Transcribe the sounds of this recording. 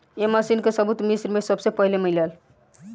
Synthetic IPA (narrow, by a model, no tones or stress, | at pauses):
emasinkesəbut̪misɾmesəbsepəɦilemiljal